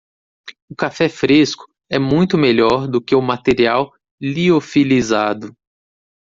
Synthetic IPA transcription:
ʊkafɛfɾeskʊ̥ | ɛmũj̃t̪ʊmeʎɔɾd̪ʊkɪʊmat̪eɾiaw | liofilizad̪ʊ

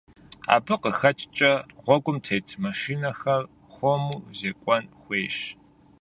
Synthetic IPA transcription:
a̰ːbɨqəxɐt͡ʃʼt͡ʃʼɐʁʷɔɡʷʼʊmtʰejtʰmɐʃinɐxɐr | xʷomuːzeːkʷʼɔnxʷeːɕ

